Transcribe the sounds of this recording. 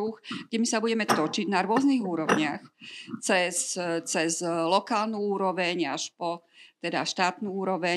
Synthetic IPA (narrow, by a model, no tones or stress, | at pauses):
uxɡɟɛmisabuɟɛmɛt̪ɔt͡ʃiɟnaɾʊɔzniɣuːɾɔʊɲɪaxt͡sɛst͡sɛzlɔkaːlnuuːɾɔʋɛɲaʃpɔ | t̪ɛd̪a̰ʃt̪aːt̪nuuːɾɔʋɛ